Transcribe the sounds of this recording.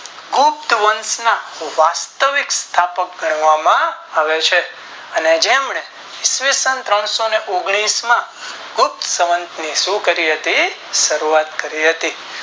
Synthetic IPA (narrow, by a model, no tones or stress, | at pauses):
ɡʊp̚t̪ʋənsnaʋast̪əʋikst̪ʰapək̚ɡʱəɽ̃ʋamãaʋet͡ʃʰe | əned͡ʒemɳe | ɪsʋisənt̪ɾəɳ̃soneʔoɡɽ̃ismã | ɡʊp̚t̪səʋənt̪niʃũkəɾiɦət̪iʃəɾuat̪kəɾiɦət̪i